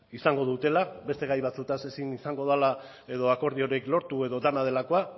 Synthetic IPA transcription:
isaŋɡo̞ðut̪e̞labe̞st̪e̞ɣajβat͡sut̪ase̞sinisaŋɡo̞ð̞ala | e̞ðo̞ako̞ɾðio̞ɾeklo̞ɾt̪ue̞ðo̞d̪anað̞e̞lako̞a

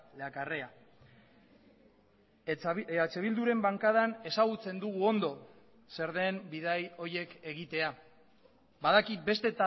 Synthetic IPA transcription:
lakarea | at͡se̞βild̪uɾe̞mbaŋkað̞ane̞saɣut͡se̞nd̪uɣ̞uo̞nd̪o̞ | se̞ɾðe̞mbiðajo̞ɾje̞ke̞ɣit̪e̞a | baðakit̪̚be̞st̪e̞t̪a

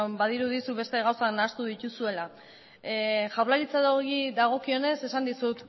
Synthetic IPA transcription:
baðiɾuðisuβe̞st̪e̞ɣawsanaːst̪uðic̪usue̞la | ʝawlaɾit͡saðoɣiðaɣ̞o̞kio̞ne̞se̞sand̪isut̪

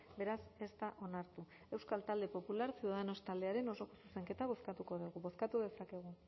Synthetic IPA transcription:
be̞ɾase̞st̪aʔo̞naɾt̪u | e̞wskalt̪ald̪e̞po̞pulaɾsiuðaðeno̞st̪ald̪e̞aɾe̞no̞so̞ko̞suse̞ŋke̞t̪aβ̞o̞skat̪uko̞ðeɣuβo̞skat̪uðe̞sake̞ɣ̞u

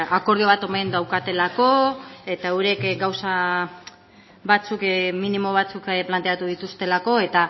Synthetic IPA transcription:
ako̞ɾð̞io̞β̞at̪o̞mend̪awkat̪e̞lako̞e̞t̪auɾekɡawsa | βat͡sukminimo̞β̞at͡sukplant̪e̞at̪uðit̪ust̪e̞lako̞e̞t̪a

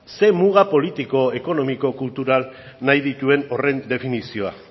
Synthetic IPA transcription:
se̞muɣapo̞lit̪iko̞e̞ko̞no̞miko̞kult̪uɾal | najðit̪ue̞no̞re̞nd̪e̞finisio̞a̰

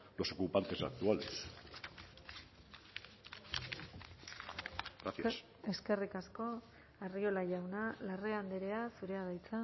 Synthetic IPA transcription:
lo̞so̞kupant̪e̞sa̰k̚t̪uales | as | e̞ske̞rikasko̞ | ario̞laʝawnalareand̪eɾe̞asuɾe̞að̞ajt͡sa

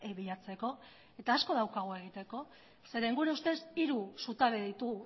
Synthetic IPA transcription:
eβiʎat͡se̞ko̞ | e̞t̪aːsko̞ð̞awkaɣ̞oe̞ɣ̞it̪e̞ko̞ | se̞ɾeiŋɡuɾeust̪e̞siɾusut̪aβeðit̪uɣ

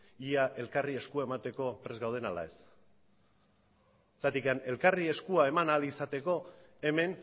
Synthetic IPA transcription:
iaʔe̞lkarie̞skuae̞mat̪e̞ko̞pɾe̞zɡawð̞e̞nala̰e̞s | t͡sat̪ikane̞lkarie̞skuae̞manalisat̪e̞ko̞ | e̞me̞n

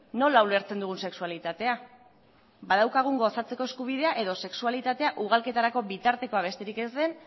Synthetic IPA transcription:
no̞laule̞ɾt͡send̪uɣ̞unse̞ksualit̪at̪e̞a | bað̞awkaɣ̞uŋɡo̞sat͡se̞ko̞eskuβ̞ið̞e̞aʔe̞ðo̞se̞ksualit̪at̪e̞aʔuɣ̞alke̞t̪aɾako̞βit̪aɾt̪e̞ko̞aβ̞e̞st̪e̞ɾike̞zðe̞n

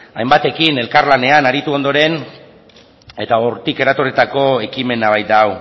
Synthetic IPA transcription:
ajmbat̪e̞kine̞lkaɾlane̞anaɾit̪uo̞nd̪o̞ɾe̞n | e̞t̪ao̞ɾt̪ike̞ɾat̪o̞rit̪ako̞e̞kime̞naβajd̪aw

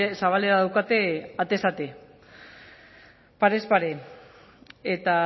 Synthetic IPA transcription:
saβale̞ɾaðawkat̪e̞at̪e̞sat̪e̞ | paɾespaɾe | et̪a

